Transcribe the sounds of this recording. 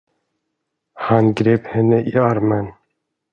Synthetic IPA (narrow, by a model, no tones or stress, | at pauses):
hɑnɡɾeːphɛnːəʔiɑɾmən